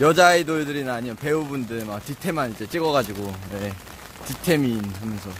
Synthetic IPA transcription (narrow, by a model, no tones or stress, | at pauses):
jʌd͡ʑaidoɭdɯɾinaɲijope̞ubundɯɭmak̚titʰe̞manid͡ʑe̞t͡ɕ͈iɡʌɡad͡ʑiɡoje̞ | titʰe̞minɦamjʌnsʰʌ